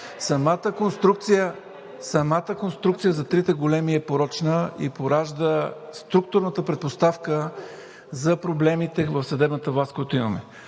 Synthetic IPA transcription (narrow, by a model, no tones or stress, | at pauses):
sɐmat̪əkonst̪ɾuk̚t̪sijə | sɐmat̪əkonst̪ɾukt̪sijəzɐt̪ɾit̪əɡolɛmiɛpoɾɔt͡ʃnəḭpoɾaʒd̪əst̪ɾuk̚t̪ʊɾnət̪əpɾɛt̪̚post̪afkə | zɐpɾoblɛmit̪ɛvəfsɐd̪ɛbnət̪əvlˠaskojat̪ʊimɐmɛ̰